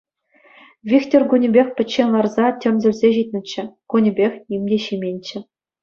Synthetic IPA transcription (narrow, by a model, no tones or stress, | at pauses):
vʲiktʲorɡunʲɘ̆bʲexʲpʲɘ̆t͡ɕːenʲlˠɑrzɑtʲɘ̆mʲzʲɘ̆lʲzʲeʑit̪̚ʲnʲɘ̆t͡ɕːɘ̆kunʲɘ̆bʲexʲnʲimʲdʲeɕimʲenʲt͡ɕɘ̆